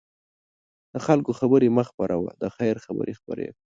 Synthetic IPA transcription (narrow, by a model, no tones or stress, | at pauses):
d̪̥əxalkoxabəɾemaxpaɾawa̰d̪əxajɾxabə̰ɾʔexpə̰ɾḛɡ